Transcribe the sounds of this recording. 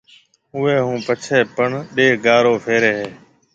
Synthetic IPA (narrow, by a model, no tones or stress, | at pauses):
ʊːeːɦũːpət͡ʃʰeːpəɳɗeːɡaːɾoːpʰeːɾeːɦeː